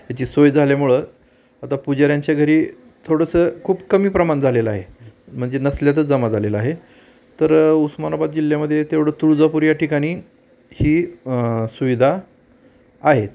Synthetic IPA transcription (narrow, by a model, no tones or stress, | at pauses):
jat͡ɕiːsojd͡zʱaljamuɭə | at̪apud͡ʑaɾjaɲt͡ɕjaɡʱəɾiː | t̪ʰoɽəsəkʰuːbkəmiːpɾəmand͡zʱaleləaɦem̤əɳd͡zenəsljat̪̬əd͡zəmad͡zʱalelaɦe | t̪əɾusmanabat̪̚d͡ʑilːjaməd̪ʱːjet̪eʋɽ̤əːt̪ɾud͡zapuɾjaʈikaɽ̃iː | hiː | suʋid̪ʱaː | ɦet̪